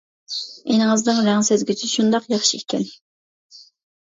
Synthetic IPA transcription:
enɨŋɨznɨŋɾæŋsezɡʲit͡ʃʰɪʃund̪ɑqjɑχʃiekʲʰɛn

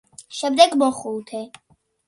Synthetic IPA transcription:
ʃɛmd̪ɛɡmɔχulˠt̪ʰɛ

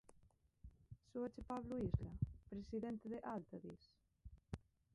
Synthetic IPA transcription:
soat͡ʃepaβluizlapɾesiðɛnt̪eðeʔalt̪aðis

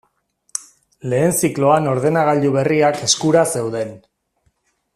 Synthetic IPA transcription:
le̞ːnsiklo̞ano̞ɾð̞e̞naɣ̞aʎuβe̞riake̞skuɾase̞wðe̞n

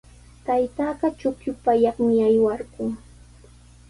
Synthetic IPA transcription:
t̪ajt̪aːɢɑt͡ʃʊkjʊpajɑχmɪajwaɾkʊŋ

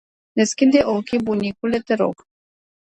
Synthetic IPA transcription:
neskʲind̪eʔokʲibunʲikulet̪eɾo̰k

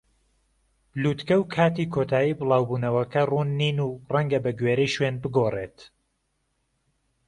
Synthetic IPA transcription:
b̥luːt̪kɐwkʰaːt̪iːkʰot̪ʰaːjiːbɨlˠɑːwbuːnɐwɐkɐruːnːiːnuːrɐŋɡɐbɐɡweɾɛjʃwenbɨɡoːret̪

